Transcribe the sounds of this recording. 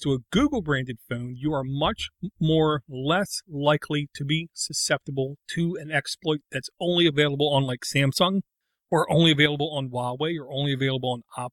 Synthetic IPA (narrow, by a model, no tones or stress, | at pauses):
tʰəəɡʉɡl̩ˠbɹæ̃ndɨd̥fõʊ̃njəə˞mʌt͡ʃmɔɹlɛslaɪkʰliɾɨbisɨsɛp̚təbl̩ˠtʰɨɨ̃nɛksplɔɪt̪̚ðɨtsõʊ̃nliɨveɪlˠəbl̩ˠə̃nlaɪksæ̃msʌ̃ŋ | ə˞ʔõʊ̃nliɨveɪlˠəbl̩ˠə̃nwalˠweɪjə˞õʊ̃nliɨveɪlˠəbl̩ˠə̃nɑp